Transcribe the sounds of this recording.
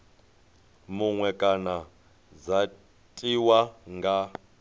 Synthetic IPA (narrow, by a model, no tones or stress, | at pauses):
muŋwɛkʼana | d͡za | tʼiwaŋɡa